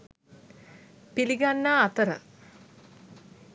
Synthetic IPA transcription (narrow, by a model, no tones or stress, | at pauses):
piliɡanːaːt̪əɾə̰